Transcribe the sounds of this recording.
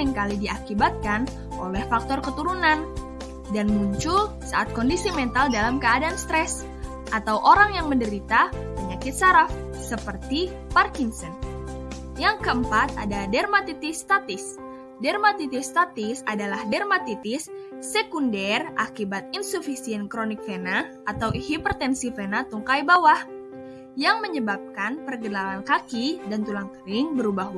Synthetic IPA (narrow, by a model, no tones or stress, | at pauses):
iŋkalidiakibat̪̚kan | ʔolɛhfak̚t̪ɔrkət̪uɾunan | danmuɲt͡ʃul | saat̪̚kondisimɛnt̪aldalamkəadaːnst̪ɾɛs | ʔat̪awʔoɾaŋjaŋməndəɾit̪apəɲakɪt̪̚saɾaf | səpərt̪i | parkinsən | jaŋkəəmpat̪̚a̰dadɛrmat̪it̪ɪst̪at̪ɪs | dɛrmat̪it̪ɪst̪at̪ɪsadalahdɛrmat̪it̪ɪsː | ekundɛrʔakibat̪̚insufisiənkɾonik̚fenaʔːt̪awʔihipərt̪ɛnsifenat̪uŋkajbawah | jaŋməɲəbap̚kanpərɡənalankakidant̪ulaŋkəɾɪŋbəɾubaɦu